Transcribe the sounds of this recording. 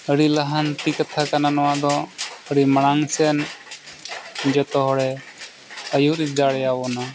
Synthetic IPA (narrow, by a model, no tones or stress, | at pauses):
əɽiləɦant̪ikət̪ʰakananɔwad̪ɔəɽiməɽ̃aŋsɛən | d͡ʒɔt̪ɔɦɔɽɛ | əjuɾid̪aɽɛjawɔna